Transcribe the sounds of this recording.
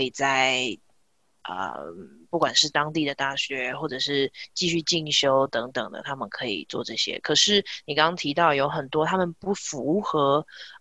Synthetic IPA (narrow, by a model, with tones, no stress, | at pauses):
i˨˩t͡sa˥˩ɪ | ə̰˨˩pu˥˩kwa˨˩nʂɻ̩˥˩t̪ɑ˥ŋt̪i˥˩d̪ə˩t̪a˥˩ɕɥɛ˧˥xwɔ˥˩ʈ͡ʂɤ˨˩ʂɻ̩˥˧t͡ɕi˥˧ɕy˥˧t͡ɕi˥˩ŋɕjo˥ʊt̪ɤ˧˥ŋt̪ə˨˩ŋd̪ə̰˩t̪ʰa˥mə˨nkʰɤ˧˥ḭ˨˩t͡swɔ̰˥˧ʈ͡ʂɤ˥˩ɕjɛ̰˥kʰɤ˨˩ʂɻ̩˥˩ni˨˩kɑ˥ŋɑ˥ŋt̪ʰi˧˥t̪ɑ˥˩ʊjo˧˥ʊxə˨˩nt̪wɔ˥t̪ʰa˥mə˨npu˥˩fu˧˦˥xɤ˧˥